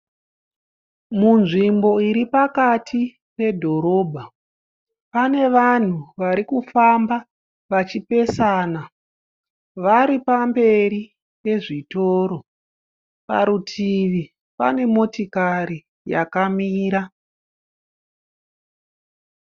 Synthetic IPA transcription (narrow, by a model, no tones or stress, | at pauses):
munʐimbo̞iɾipakatʰi | pe̞dʱo̞ɾo̞ːbʱa | pane̞ʋan̤uʋaɾikufamba | ʋat͡ʃipe̞saːna | ʋaɾipambe̞ɾi | pe̞ʐitoːɾo̞ | pa̰ɾutʰiʋi | pa̰ne̞mo̞tikaɾi | ja̰kamiːɾa